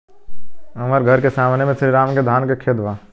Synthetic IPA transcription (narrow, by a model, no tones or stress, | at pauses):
əməɾɡʱəɾkesaːmnemẽsɪɾiɾaːmked̪ʱaːnkekʰeːt̪ʋaː